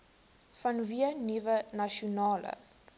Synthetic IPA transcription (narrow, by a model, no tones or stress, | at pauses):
fɐnviənivənɐʃiunɑːlə̰